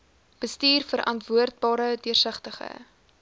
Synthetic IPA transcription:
b̥əstiːrfəɾʔɐntvuərt̚bɑːɾədiərsəχtəχə̰

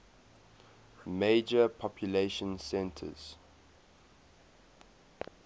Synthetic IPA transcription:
meɪd͡ʒəpʰɔpʰjuleʃə̃nsɛ̃ntʰə̰z̥

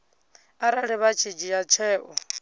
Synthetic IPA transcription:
aɾaɺɛβat͡ʃʰid͡ʒijat͡ʃʰɛːʔɔ

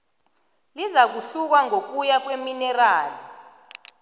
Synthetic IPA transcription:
lizak̬uɬuk̬waŋok̬ujak̬weminɛraːli

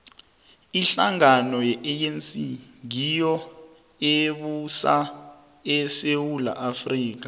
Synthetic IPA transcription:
iɬaŋanɔjɛʔeensiŋijɔ | eɓusa | ɛsewula̰ʔafriːk̬ḁ

